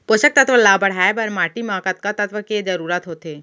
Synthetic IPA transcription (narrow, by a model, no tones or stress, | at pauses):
poʃək̚t̪ɐt̪ʋəlaːbəɽ̤aːebəɾmaːʈimãːkət̪̚kat̪ɐt̪ʋəked͡ʒɐɾuːɾat̪ɦoːt̪eː